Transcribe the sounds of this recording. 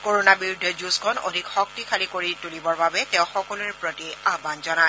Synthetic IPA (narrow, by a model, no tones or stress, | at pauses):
koɹonabiɹudʱɛd͡ʒuskʰɔno̰dʱikxɔk̚tikʰalikoɹitulibɔɹbabɛtɛʊ̃xɔkɔluɹɛpɹotiabanzɔna